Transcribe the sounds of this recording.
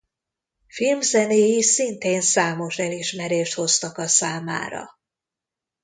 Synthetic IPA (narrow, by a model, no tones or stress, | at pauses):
filmzɛneːjisint̪eːnsaːmo̞ʃɛliʃmɛɾeːʃt̪ho̞st̪ɒkɒsaːma̰ːɾɒ̰